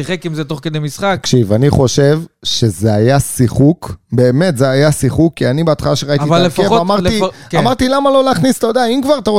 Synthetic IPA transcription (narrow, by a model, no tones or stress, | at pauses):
siχekimzet̪oχked̪ejmisχaakʃivaniχo̞ʃe̞vʃe̞zeajasiχukbe̞ːme̞t̪zeajasiχukːianibeat̪χalaʃeʁait̪ivalːefkemaʁt̪ikamaʁt̪ilamalo̞laːχnist̪ajod̪eaimkvaʁat̪aʁo